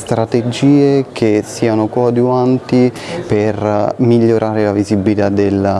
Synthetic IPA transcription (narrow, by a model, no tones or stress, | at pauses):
st̪ɾat̪ed͡ʒiːekʰesːiːanokɔd̪uant̪i | permiʎːoɾʔaːɾelavizibilit̪ad̪elːa